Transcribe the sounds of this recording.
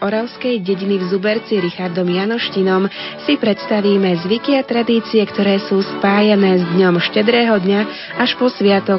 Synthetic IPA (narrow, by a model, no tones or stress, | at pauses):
ɔɾaʊskɛjɟɛɟinivzubɛɾt͡siɾixaɾd̪ɔmjanɔʃcinɔmsipɾɛt̪st̪aʋiːmɛzʋikiat̪ɾad̪iːt͡siɛkt̪ɔɾɛːsuːspaːjanɛːzd̪ɲɔmʃcɛd̪ɾɛːɦɔd̪ɲa | aʃpɔsʋɪat̪ɔ